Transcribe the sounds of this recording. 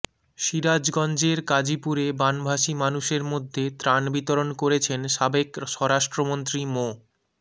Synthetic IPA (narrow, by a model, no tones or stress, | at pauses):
ʃiɾad͡ʑɡɔnd͡ʑeɾkad͡ʑipuɾebanbʱaʃimanuʃeɾmod̪ʱːet̪ɾanbit̪oɾonkoɾet͡ɕʰenʃabekʃɔɾaʃʈɾomont̪ɾimo